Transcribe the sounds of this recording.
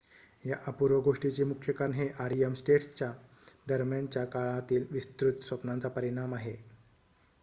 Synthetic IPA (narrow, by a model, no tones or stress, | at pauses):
jaʔapuɾʋəɡoʂʈit͡ɕemukʰjəkaɾnɦeʔaɾiəmsʈeʈst͡ɕjad̪əɾmjant͡ɕjakaɭat̪iːlʋist̪ɾut̪sʋəpnant͡sapəɾiɽ̃amaɦe